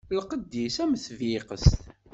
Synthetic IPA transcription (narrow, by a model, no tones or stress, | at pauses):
lqəd̪ːisæməθvɪqəst̪